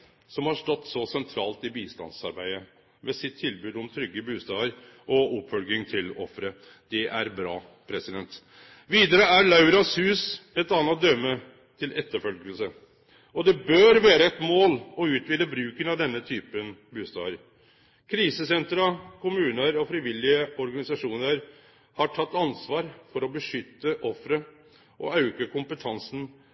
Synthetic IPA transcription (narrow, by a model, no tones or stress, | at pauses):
sɔmhɑʂʈɔt̪ːsɔsɛnt̪ʰɾɑːlt̪ɪbiːst̪ɑ̰nsɑ̰ɾbæɪə | ʋɛsɪt̪ʰːɪlbʉːd̪ɔmt̪ʰɾʏɡːəbʉːst̪ɑːəɾ | ʔɔɔpːfœlɡɪŋt̪ʰɪlɔ̰fɾə | d̪̥ɛʔæɾbɾɑ̰ː | pʰɾɛsɪd̪ɛnt̪ | ʋiːd̪əɾəæɾlɑʉɾɑshʉːsɛt̪ɑːnɑt̪̚d̪œmːə | t̪ʰɪlʔɛt̪ːəɾfœlɡəlsə | ɔd̪ɛbøːɾʋæːɾəɛt̪moːlɔʉːt̪ʋiːd̪əbɾʉːkənɑʋd̪ɛnːət̪ʰyːpənbʉːst̪ɑ̰ːʋəɾ | kʰɾiːsəsɛnt̪ɾɑkʰʊmʉːnəɾɔfɾɪʋɪlːɪəɔɾɡɑnɪsɑʂuːnəɾ | hɑʈʰɑt̪ːɑnsʋɑːɾfɔɾɔbəʂʏt̪ːəʔɔfɾə | ʔɔ̰ɑʉkəkʰʊmpət̪ʰɑnsn̩